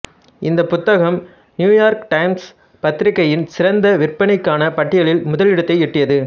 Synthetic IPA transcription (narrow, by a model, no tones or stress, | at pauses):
ʔɪnd̪ɐpʊt̪ːɐɣɐm | njuːjaːɾkʈɐɪms | pɐt̪ːɪɾɪkːɐjɪnsɪrɐnd̪ɐʋɪrpɐɳɪkːaːnɐpɐʈːɪjɐɭɪlmʊðɐlɪɽɐt̪ːɐɪɪʈːɪjɐðɯ